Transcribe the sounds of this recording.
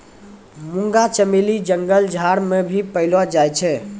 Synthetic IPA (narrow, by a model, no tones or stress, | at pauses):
mũŋɡat͡ʃəmelid͡ʒəŋɡəld͡ʒʱaɾmebʱipəɪlwad͡ʒajt͡ʃʰɛ